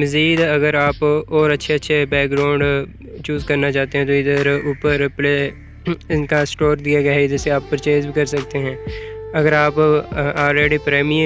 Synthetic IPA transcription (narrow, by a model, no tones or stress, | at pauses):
mɐziːd̪ɐɡəɾaːpɔːɾɐtːʃʰeɐtːʃʰebɛːk̚ɡɾãːʊ̃ɳɖ | t͡ʃuːzkɐɾnat͡ʃaːt̪eɦɛ̃t̪oɪd̪əɾuːpəɾpɾe | ɪnkasʈoːɾd̪ijaɡɐjaɦɪd̪əɾseaːpːɐɾt͡ʃeːzbʱikɐɾsɐk̚t̪eɦɛ̃ːɐɡəɾaːpaːlɾeːɖipɾɛːmiə